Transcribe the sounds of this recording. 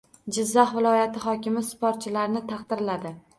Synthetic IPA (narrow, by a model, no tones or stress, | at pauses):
d͡ʒɪzːaχvɪlˠɒjat̪ʰɪχɒkʲɪmɪspoɾt̪̚t͡ʃʰɪlaɾnɪt̪ʰɑqd̪ɪɾlad̪ɪ